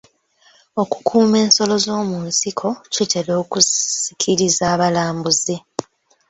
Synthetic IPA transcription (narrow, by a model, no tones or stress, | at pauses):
o̞ku̥kʰuːme̞ːnso̞lo̞zo̞ːmunsikʰo̞cite̞lo̞ːkusi̥kʰiɾizaːβalaːmbuze